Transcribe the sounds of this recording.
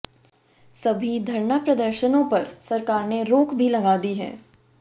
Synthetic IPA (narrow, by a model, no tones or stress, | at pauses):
sɐbʱid̪ʱɐɾnəpɾɐd̪əɾʃənõpɐɾsɐɾkaːɾneɾoːkbʱilɐɡaːd̪iɦɛ̰ː